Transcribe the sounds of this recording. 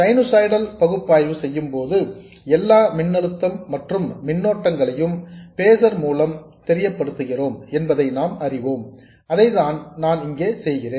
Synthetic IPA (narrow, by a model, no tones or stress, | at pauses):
sɐɪnosaːjɽɐlpɐɣɯpːaːjʋɯsɛjːɯmpoːðɯ | ɛlːaːmɪɳːɐɭɯt̪ːɐmːɐʈrɯmːɪnːoːʈːɐŋɡɐɭɐjɯmpeːsɐɾmuːlɐmt̪ɛɾɪjɐpːɐɽɯt̪ːɯɣɪroːmɛnbɐðɐɪnaːmɐrɪʋoːm | ɐðɐɪðaːnnaːnɪŋɡeːsɛjɣɪreːn